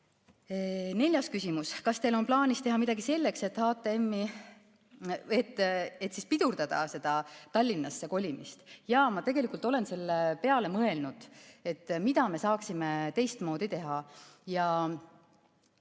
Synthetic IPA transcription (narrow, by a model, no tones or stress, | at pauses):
ne̞lʲjɑskysʲimuskɑst̪e̞lo̞nplɑːnʲist̪e̞ɦɑmid̪̥ɑɡ̥ise̞lʲːe̞kse̞t̪ːhɑːt̪ːˑeemːi | et̪ːe̞t̪ːˑsispid̪̥uɾd̪̥ɑd̪̥ɑ̰se̞d̪̥ɑt̪ɑlʲːinːɑsːe̞ko̞lʲimist̪jɑmɑt̪e̞ɡ̥e̞likult̪ːˑo̞le̞nse̞lːepe̞ɑle̞mɤ̞elnud̪̥e̞t̪ːˑmid̪̥ɑme̞sɑːksimet̪e̞jst̪mo̞ːd̪̥it̪e̞ɦɑjɑ